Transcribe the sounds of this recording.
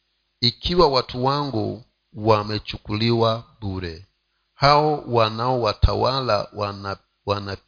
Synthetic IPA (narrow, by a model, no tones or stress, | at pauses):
ikʰiwawatuwaŋɡu | wamɛt͡ʃukuliwabuɾɛ | haɔwanaɔwatʰawala̰ | wana